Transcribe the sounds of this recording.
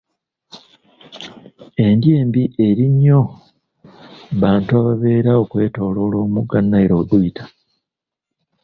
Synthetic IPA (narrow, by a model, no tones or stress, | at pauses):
e̞ndje̞ːmbiʔe̞ɾiɲːo̞ | βaːntuaβaβe̞ːɾao̞kwe̞ːto̞ːlo̞ːlo̞ːmuɡanːaeɾo̞ːduitḁ